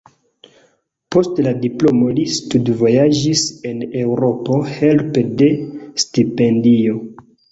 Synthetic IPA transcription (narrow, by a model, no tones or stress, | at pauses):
po̞stladiplo̞mo̞listudvo̞jad͡ʒise̞ne̞wɾo̞po̞he̞lpede̞stipe̞ndio̞